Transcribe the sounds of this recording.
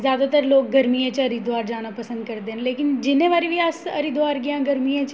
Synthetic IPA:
zjaːd̪at̪əɾloːk̚ɡɐɾmiẽt͡ʃɐɾid̪ʱʋaːɾd͡ʒaːnapɐsə̃nd̪kɐɾd̪eɦleːkɪnd͡ʒɪnẽʋaːɾiʋjaːsɐɾid̪ʱwaːɾɡɐjãɡɐɾmiẽt͡ʃ

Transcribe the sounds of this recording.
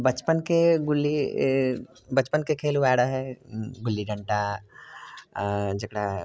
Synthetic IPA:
bɐt͡ʃpənkeɡʊlːi | bɐt͡ʃpənkekʰeːluʋaːɽaɦɛɡʊlːiɖɐ̃ɳʈa | d͡ʒɐkɽa

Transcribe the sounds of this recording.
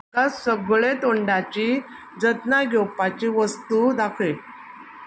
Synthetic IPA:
asəɡɭet̪oɳɖat͡ɕi | d͡zət̪naɡʱowpat͡ɕiʋəst̪ud̪akʰe

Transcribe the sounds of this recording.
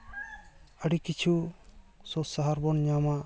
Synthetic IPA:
əɖikit͡ʃʰu | sɔsaɦaɾbɔnɲama

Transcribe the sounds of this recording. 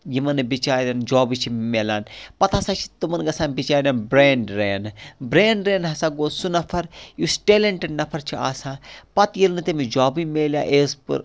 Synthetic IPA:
jimɐnɨbit͡ʃaːd̪ʲand͡ʒaːbit͡ʃʰimelaːnpɐt̪ɐsaːt͡ʃʰi̥t̪umɐnɡɐsãːnbit͡ʃaːd̪anbɾeːɳɖɾeːnbɾeːɳɖɾeːnɦɐsaːɡoːsunɐpʰɐɾjusʈeːleɳʈeɖnɐpʰɐɾt͡ʃʰia̰ːsãːpɐt̪jilnɨt̪imid͡ʒaːbimeːlʲja̰ːʔeːspɨ̰ɾ

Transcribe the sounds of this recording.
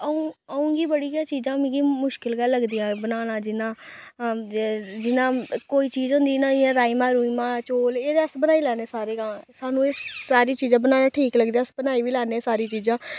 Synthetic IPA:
əũːəːũːɡiːbəɽiːãːt͡ʃiːzãːmɪ̃ɡiːmʊʃkɪlɡaːlːəɡd̪ijãːbənaːnãːd͡ʒɪnãː | d͡ʒɪnãːkoːiːt͡ʃiːzɦʊ̃nd̪iːnãːd͡ʒɪãːɾaːiːmãːɾuːimãːt͡ʃoːleːd̪eəsbənaːiːlɛːneːsaːɾeːɡãːsaːnũːesaːɾiːt͡ʃiːzãːbənaːnãːʈʰiːkləɡd̪iaəsbənaːiːʋiːlɛːneːsaːɾiːt͡ʃiːzãː

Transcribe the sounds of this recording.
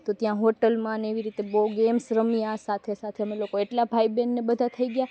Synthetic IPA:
t̪ot̪jãɦoʈəlmãneʋiɾit̪eboɡemsɾəmijasat̪ʰesat̪ʰeəmelokoeʈlabʱaibɛnːebəd̪ʱat̪ʰəiɡja

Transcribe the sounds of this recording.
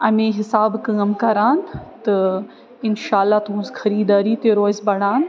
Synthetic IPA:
ɐmẽːɦɪsaːbkɐ̃ɐmkaːɾaːn̆t̪ɐ | ɪnʃaːlːaːt̪ɐɦũzxɐɾiːd̪aːɾit̪eɾoːɪzbɐɽ̤aːn̆

